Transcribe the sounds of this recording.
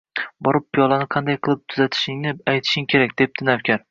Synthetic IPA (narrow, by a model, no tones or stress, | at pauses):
bɒɾɪp̚pʰijɒlˠanɪqʰɑnd̪ajqʰɨlˠɪp̚t̪ʰʊzat̪ʰɪ̥ʃɪŋnɪajt̪ʰɪ̥ʃɪŋkʲʰe̞ɾak̚ʲd̪e̞p̚t̪ʰɪnawkʲʰaɾ